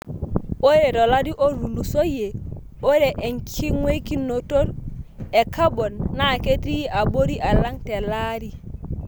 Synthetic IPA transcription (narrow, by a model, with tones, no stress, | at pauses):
o˦je˨do˨la˦di˦ʔo˦ɾu˨lu˨so˦je˨ | o˦ɾe˨ʔe˨ŋkʰi˦ŋwe˦ki˦nːo˨to˦ɾe˨ka˦bo˨nːa˨ke˦ti˦a˨bo˦ɾi˦ʔa˨la˦ŋte˨la˦ɾi˨